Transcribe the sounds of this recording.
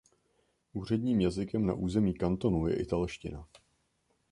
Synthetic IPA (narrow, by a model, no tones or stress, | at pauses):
ʔuːr̝ɛdɲiːmjazɪkɛmna̰ʔuːzɛmiːkant̪o̞nujɛ̰ʔɪt̪alʃcɪ̰na̰